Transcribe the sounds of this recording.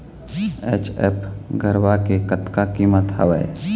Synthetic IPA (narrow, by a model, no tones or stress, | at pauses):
ḛːt͡ʃḛpɡʱəɾwakekət̪kakiːmət̪ɦə̰ʋə̰